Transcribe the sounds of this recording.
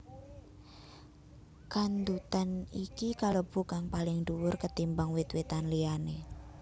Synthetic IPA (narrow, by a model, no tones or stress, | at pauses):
kand̪ut̪anikikalob̥ṳkaŋpalɪŋd̪uwʊrkət̪imbaŋwɪt̪wet̪anliane